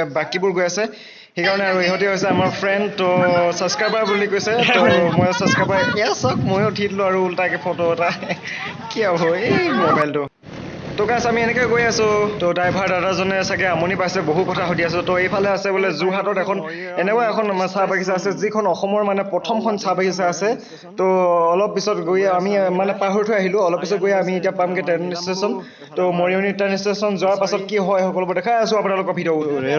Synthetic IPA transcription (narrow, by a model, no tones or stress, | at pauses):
bakibʊɹɡojasɛ | xekaɹɔnɛaɹueɦotiɦojsɛamaɹpʰɹɛndtɔsaskajpaɹbulikojsɛɔmɔjsəskɹapaɹɛasak̚mojotʰitlʊaɹuːltakɛpʰɔtoɛta | kiabɔemɔbajltʊ | tɔkasamiɛnɛkɔjɡojasʊ̃tɔdajbʱaɹdadazɔnɛsakɛamɔnipajsɛboɦutkɔtʰaxodias̬ʊ̃tɔejpʰalɛasɛbɔlɛzuɦatɔtɛkʰɔn | ɛnɛkɔjɛkʰɔnsabaɡis̬aasɛzikʰɔnɔxɔmɔɹmanɛpɹɔtʰɔmkʰɔnsabaɡʰisaːsɛ | tɔːlɔp̚ːisɔtɡojɛamimanɛpaɦoɹtʰɔjaɦilʊ̃ɔlɔp̚ːisɔt̚ɡojaamietiapamkɛtannistesɔn | tomoɹiɔnitanistesɔnzʊaɹpasɔt̚kiɦɔjxɔkɔlbɔdɛkʰajasʊ̃apunalʊkɔɹbʱidiɔu